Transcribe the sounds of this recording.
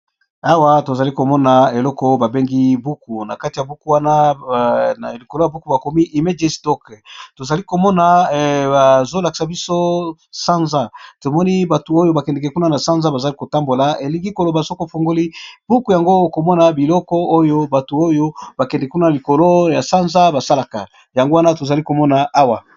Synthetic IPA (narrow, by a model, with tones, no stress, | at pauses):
a˦wa˦to˨za˨li˦ko˨mɔ˦na˨e˨lɔ˦kɔ˦ba˨be˦ŋɡi˦bu˦ku˨na˨ka˦ti˨ja˨bu˦ku˦wa˦na˦˨ | li˨ko˨lo˦ja˨bu˦ku˨ba˨ko˨mi˦ʔi˨me˦d͡ʒe˦stɔ˦kto˨za˨li˦ko˨mɔ˦na˨ba˨zo˦la˨ki̥˨sa˨bi˦so˦sa˦nza˦to˨mɔ˦ni˦ba˨tu˨o˦jo˦ba˨kɛ˨ndɛ˨kɛ˨ku˦na˦na˨sa˦nza˦ba˨za˨˦li˦ko˨ta˦mbo˨la˨˦e˨li˦ŋɡi˦ko˨lo˨ba˨so˦ko˨fo˨ŋɡo˦li˦b̥u˦ku˨ja˨ŋɡo˦˨ko˨mɔ˦na˨bi˨lɔ˦kɔ˦o˦jo˦ba˨tu˨o˦jo˦ba˨kɛ˨ndɛ˨kɛ˨ku˦na˦a˨li˨ko˨lo˦ja˨sa˦nza˦ba˨sa˦la˨ka˨ | ja˨ŋɡo˦wa˦na˦to˨za˨li˦ko˨mɔ˦na˨a˦wa˨